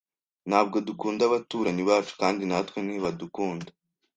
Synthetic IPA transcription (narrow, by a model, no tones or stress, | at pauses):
nhaːb̚ɡo̞dukuːndaβatuɾaniβaːt͡ʃu̥kaːndinatkweniβadukuːnda